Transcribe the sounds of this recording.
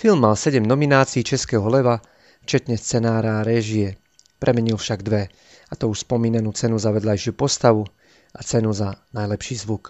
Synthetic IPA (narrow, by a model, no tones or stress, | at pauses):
filmːalsɛɟɛmnɔminaːt͡siːt͡ʃɛskɛːɦɔlɛʋa | ft͡ʃɛt̪ɲɛst͡sɛnaːɾaːɾɛːʒiɛ | pɾʔɛmɛɲilfʃaɡd̪ʋɛ | at̪ɔuʃspɔmiːnanuːt͡sɛnuzaʋɛd̪lajʃɪupɔst̪aʋu | ʔat͡sɛnuzanajlɛpʃiːzʋuk